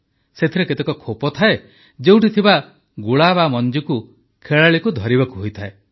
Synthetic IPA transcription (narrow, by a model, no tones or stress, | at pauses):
set̪ʰiɾeket̪ekɔkʰopɔt̪ʰae | d͡ʒeuw̃ʈit̪ʰiba | ɡuɭabamɔnd͡ʒiku | kʰeɭaɭikud̪ʱɔɾibakuɦojt̪ʰae